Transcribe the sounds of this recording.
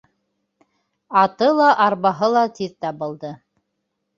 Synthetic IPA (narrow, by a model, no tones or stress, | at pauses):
ɑt̪ɤlˠɑʔɑɾβɑɦɤlˠɑt̪iðt̪æbŏlˠd̪ɤ